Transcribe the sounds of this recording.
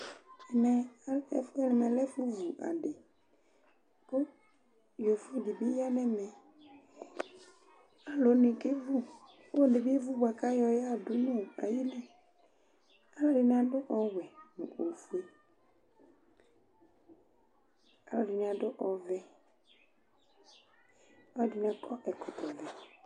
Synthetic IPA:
ɛ˨nɛ˨˦˨fɛ˦nɛ˨mɛ̃˨lɛ˦fu˦vu˨ʔa̰˨ɖe˨ | kʊ˦ | jo˨fu˦di˨bi˦ja˦nɛ̃˦mɛ̃˨ | a˨lo˨˦nĩ˨ke˦vu˦ | o˦˨de˨bi˦e˦vu˦bwa˨ka˦jɔ˨ja˦˨dʊ˦nũ˦˨a̰˨ji˦nɛ̃˨ | a˦lɔ˨dɪ˨n˦ã˨dʊ˦ʔɔ˨wɛ˨nʊ̰̃˨ʔo˨fu˨˦e˦ | a˨lɔ˨dɪ˨n˨ã˨dʊ˦ʔɔ˨vɛ˨ | ɔ˦dɪ˨nã˨kʰɔ˦ʔɛ˨kʊ˨t̪ɔ˨vɛ˨

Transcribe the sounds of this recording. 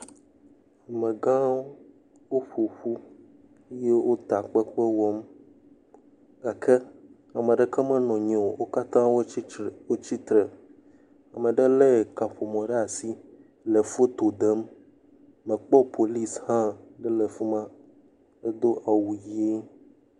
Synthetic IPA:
a˨mẽ˨ɡã˦ | wo˦ɸo˨ɸu˦ | je˦wo˦t̪a˨k͡pɛ˦k͡pɛ˦wɔ˦m | ɡa˨kʰɛ˦ | a˨mɛ̃˨ɖɛ˦kɛ˦mɛ̃˦nɔ̃˨ɲɛ̃˨wo˨wo˦ka˦t̪ã˦wo˦wo˦t͡ɕi˦t̪ɾe˨ | a˨mɛ̃˨ɖɛ˦lɛ˦˨ka˨ɸo˨mɔ̃˨ɖɛ˦a˨si˦ | le˨fo˦t̪o˨d̪ɛ˦m˦ | mɛ̃˨k͡pɔ˦pʰo˨li˦shã˦ɖɛ˦lɛ˨fu˦mã˦ | e˦d̪o˦ʔa˨wu˨ji˦e˦

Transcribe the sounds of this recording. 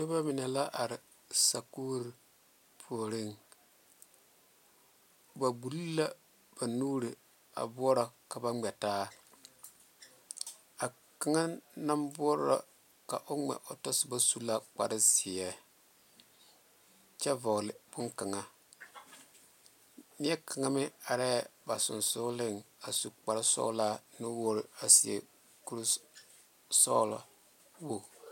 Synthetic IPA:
to˦ba˦mɪ˨na˨la˦ʔa˨ɾɪ˨ | sa˨ku˦ɾi˨ | pʰu˨o˨ɾi˦ŋ | ba˨ɡ͡bu˨lla˦ | b̥a˨nuː˦ɾi˨ | a̰˨bʊ˦ɔ˦ɾa˨ka˨ba˦ŋ͡mɛ˨taː˦ | a˨ | ka˦ŋa˦na˦mbʊ˦ɔ˦ɾa̰˦˨ | ka˨ʔo˦ŋ͡mɛ̰˨ʔo˨tɔ˦sɪ˨ba˦su˦la˦k͡pa̰˨ɾɪ˦si˨ɛ˨ | t͡ʃɛ˦vɔ˨ɣlɪ˨b̥ʊ˦ŋka˨ŋa˦ | nɪ˦ɛ˦ka˨ŋa˦mɪ˦a˨ɾɛ˦˨ba˨sʊ̰˨nsʊ˦lɪ˦ŋa˨su˨k͡pa˨ɾɪ˦sɔ̰˦laː˦nʊ˦wo˦ɾɪ˨a˨si˨ḛ˨ | ku˦ɾ | sɔ̰˦la̰˨ | wo˦

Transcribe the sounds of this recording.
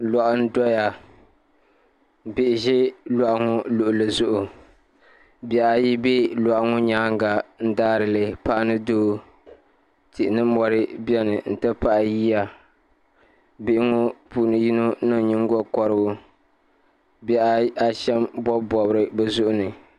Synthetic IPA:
lɔ˨ʔʊ˦n̩˦dɔ˦ja˨ | bɪ˨ʔɪ˨ʒɪ˦lɔ˨ʔa˨ŋʊ˦lʊ˨ʔʊ˨lɨ˨zʊ˦ʔʊ˨ | bɛ˨a˨ji˦bi˦la˨ʔŋʊ˦ɲaː˦ŋ˦ɡa˨n̩˦daː˦ɾɨ˨lɨ˨pa˦nɨ˦doː˦ | tɪ˨ʔɪ˨nɨ˦mɔ˨ɾɨ˦bɛ˦nɨ˨n̩˨tɨ˦pa˦ʔjiː˦ja˨ | bɪ˨ʔɪ˦ŋʊ˦puː˨nɨ˨ji˦nu˦nɨ˦˨ɲi˦ŋ˦ɡɔ˦kɔ˨ɾɨ˦bʊ˦ | bɛ˦a˦a˦ʃɛ˦mbɔ˦bɔ˨bɾɨ˦bɛ˦zʊ˦ʔʊ˦nɨ˨

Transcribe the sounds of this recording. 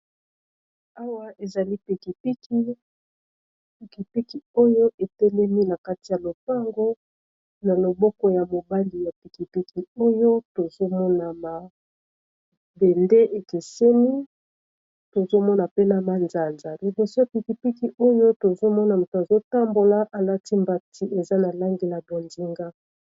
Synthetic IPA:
a˦wa˦ʔe˨za˨li˦pi˨ki˨pi˦ki˦ | pi˨ki˨pi˦ki˨o˦jo˦ʔe˨tɛ˦lɛ˦mi˦na˨ka˦ti˨ja˨lo˨pa˦ŋɡo˦ | na˨lo˨bɔ˦kɔ˦ja˨mo˨ba˦ni˨ja˨pi˨ki˨pi˦ki˨o˦jo˦to˨zo˦mɔ˦na˨ma˨ | be˨nde˦ʔe˨ke˨se˦mi˦ | to˨zo˦mɔ˦na˨pe˦na˨ma˨nza˨nza˨li˨bɔ˨so˦a˨pi˨ki˨pi˦ki˨o˦jo˦to˨zo˦mɔ˦na˨mu˨to˨a˨zo˦ta˦mbo˨la˦ʔa˨la˦ti˦mba˨tʰi˦e˨za˦na˨la˦ŋɡe˦la˨bo˨nzi˨ŋɡa˦

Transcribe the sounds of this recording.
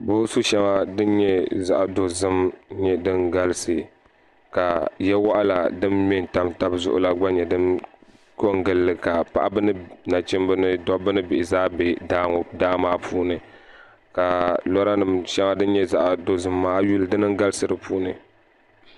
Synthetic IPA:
bo˦su˦ʃɛ˦ŋa˦dɨ˦n˦ɲɛ˦za̰˦ʔdo˨zɨ˦mɲɛ˦dɨ˦ŋɡa˦lɨ˦sɨ˨ | ka˨jɛ˦wa˦ʔa˦la˨dɨ˦mmɛ˦n˨ta˦mta˦bzʊ̰˦ʔʊ̰˦la˦ɡ͡ba˦ɲɛ˨dɨ˦m | ko˦˨ŋɡɨ˦lːɨ˨ka˨pa̰˦ʔa˦bɨ˦nɨ˦na˨t͡ʃɪ˦mbɨ˦nɨ˦dɔ˦bɨ˦nɨ˦bɪ˨ʔɪ˨zaː˦be˨daː˦ŋɔ˨daː˦maː˦pʰuː˦nɨ˨ | ka˨lɔ˦ɾa˦nɨ˨mʃɛ˦ŋa˦dɨ˦n˦ɲɛ˦za˦ʔdo˨zɨ˦mːaː˦ju˦lɨ˨dɨ˦nɨ˦ŋɡa˦lɨ˦sɨ˨ɾɨ˨pʰuː˦nɨ˨

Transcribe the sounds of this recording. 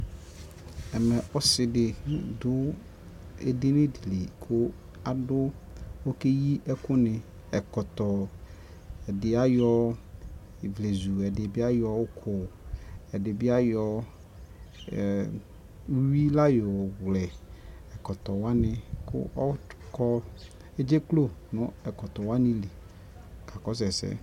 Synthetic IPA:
ɛ˨mɛ̃˨ʔɔ˦sɪ˨dɪ˨n˦dʊ˦ | ḛ˨dɪ˦nɪ̃˦di˨li˨kʰʊ˦ | a˨dʊ˦wo˦ke˦ji˦ʔɛ˦kʊ˦nɪ̃˨ | ɛ˨kɔ˨t̪ɔ˨ | ɛ˨dɪ˨a˦jɔ˦˨ | vle˨zu˨ɛ˨dɪ˨bɪ˦a˦jɔ˦wʊ˦kʰʊ˨ɛ˨dɪ˨bɪ˦a˦jɔ˦˨˦ | wi˦la˦jɔ˨ɣlɛ˨ɛ˨kɔ˨t̪ɔ˨wa˦nɪ̃˨kʊ̰˦ʔɔ˦kɔ˦ | e˦d͡ʒe˦klo˦nʊ̃˦ɛ˨kɔ˨t̪ɔ˨wa˦nĩ˦li˨ | ka˨kɔ˦s̬ɛ˨sɛ̰˦

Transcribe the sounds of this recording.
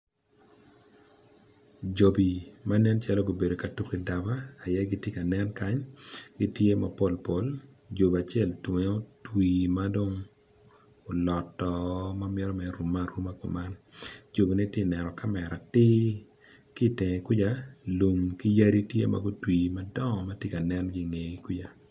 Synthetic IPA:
d͡ʒo˨bi˨ma˦nɛ˦nt͡ʃa˦lɔ˦ɡo˨be˨do˨ka˨tu˨ki˦da˨baː˦˨jɛ˦ɡi˦tje˦ka˨nɛ˦nka˦ɲɡi˦tje˦ma˨po˨lpo˨l | d͡ʒo˨ba˨t͡ʃɪ˦ɛ˦˨ltwe˨o˦twiː˨ma˦do˦ŋ | o˨lɔ˨tːɔ˨ma˦mɛ˦ɾɔ˦mɛ˨ɾu˨ma˦ɾu˦ma˦ko̰˨ma˦nd͡ʒo˨bi˨ni˦te˦˨nɛ˨nɔ˨ka˦mɛ˨ɾa˨tɪ˦ | ki˦˨tɪ˨ŋe˨kɪ˦d͡ʒa˦lu˨mki˦ja˦ɾi˦tjḛ˦ma̰˨ɡo˦twiː˨ma˦dɔ˦˨ma˦tje˦ka˨nɛ˦nɡi˦ŋe˨i˨kwi˦d͡ʒa˨

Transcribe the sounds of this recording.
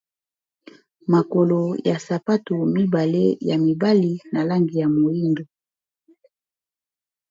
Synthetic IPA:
ma˨ko˨lo˨ja˨sa˨pa˦to˨mi˦ba˨le˦ja˨mi˨ba˦li˨na˨la˦ŋɡi˨ja˨mo˨i˦ndo˨

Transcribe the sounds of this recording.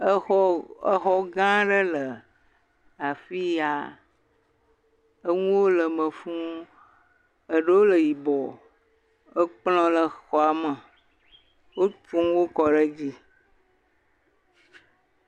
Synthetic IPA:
ə˦xɔ˦ɡã˦ɖə˦lə˨ | a˨fi˦ja˨ | ə˦ŋũ˦wo˦lə˨mə̃˨fũ˦ | ə˨ɖə˦wo˦lə˨ji˨bɔ˨ | ə˦k͡plɔ̃˦lə˨xɔ˨a˨mə˨ | wo˦t͡ʃũ˦wo˦kɔ˨ɖə˦d͡ʑi˦

